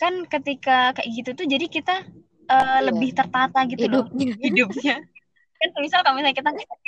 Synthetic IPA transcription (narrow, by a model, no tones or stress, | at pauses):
kankət̪ikakaʔɡit̪ut̪ud͡ʒadikit̪a | ʔələbɪht̪ərt̪at̪aɡit̪udhidʊp̚ɲa | kansəmisalkamasaɲakit̪aŋki